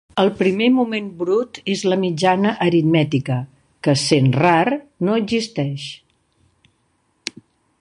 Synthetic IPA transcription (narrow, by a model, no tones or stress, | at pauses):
əlˠpɾimemumembɾut̪ezləmid͡ʒanəʔəɾit̪mɛt̪ikə | kəsenrarnoəɡzist̪ɛʃ